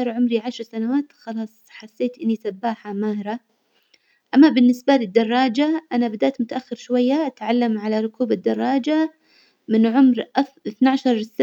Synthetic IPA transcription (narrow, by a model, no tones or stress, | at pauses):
ɾˤʕʊmɾiʕaʃɾˤsanawaːt̪xɑlɑːsˤħasːeːt̪ʔɪnːisabːaːħamaːhɾa | ʔamːabɪnːɪsbalɪd̪ːɑrˤːɑːd͡ʒaʔanabad̪aʔt̪mʊt̪aʔaxːɪɾʃwajːaʔat̪ʕalːamʕalaɾˤʊkuːbad̪ːɑrˤːɑːd͡ʒa | mɪnʕʊmɾʔaʔɪθnaʕaʃɑɾˤsː